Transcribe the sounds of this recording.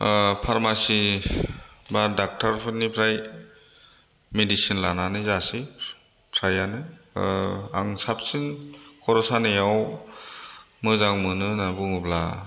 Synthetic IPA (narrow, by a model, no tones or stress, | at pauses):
pʰaɾmasi | badak̚tʰaɾpʰɯnipʰɾaj | medisinlananɯzasi | pʰɾajanɯ | a̰ŋsap̚sinkʰɔɾɔsanɯjaw | mɯzaŋmɯnɯnabuŋɯbla